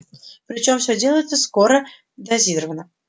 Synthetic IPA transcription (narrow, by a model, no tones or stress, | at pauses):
pɾʲɪt͡ɕo̞mfsʲodʲe̞ləjɪt̪səskoɾə | d̪ɐzʲiɾəvənə